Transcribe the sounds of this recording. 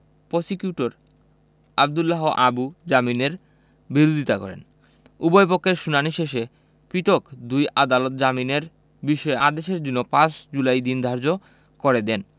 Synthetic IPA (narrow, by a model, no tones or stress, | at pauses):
posikiuʈoɾ | ab̚d̪ulːaɦoʔabud͡ʑamineɾ | biɾod̪ʱit̪akɔ̰ɾḛn | ubojpokʰːeɾʃunaniʃeʃe | piʈ̪okd̪ujʔad̪alot̪d͡ʑamineɾ | biʃɔead̪eʃeɾd͡ʑunːopãt͡ɕd͡ʑulajd̪ind̪ʱaɾd͡ʑo | koɾed̪ɛn